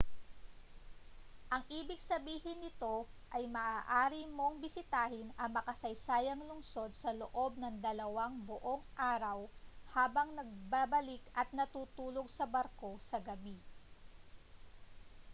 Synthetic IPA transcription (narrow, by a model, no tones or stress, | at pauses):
ʔɐŋʔiːbɪɡ̚sɐbiːhɪnɪt̪o̞ʔɐjmɐʔaːʔaːɾimo̞ŋbɪsɪt̪aːhɪnɐmɐkɐsɐjsaːjɐŋlʊŋso̞d̪̚sɐloʔo̞b̚nɐŋd̪ɐlɐwaŋboʔo̞ŋʔaːɾɐwhaːbɐŋnɐɡ̚babɐlɪkɐt̪̚nɐt̪uːt̪uːlo̞ɡ̚sɐbɐɾko̞sɐɡɐbi